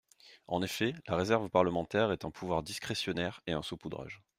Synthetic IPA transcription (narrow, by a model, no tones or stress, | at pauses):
ɑ̃nefɛlaʁezɛʁvpaʁləmɑ̃t̪ɛʁɛt̪ɛ̃pʰuvwaʁd̪iskχesjɔnɛʁeɛ̃sopud̪ʁa̰ʒ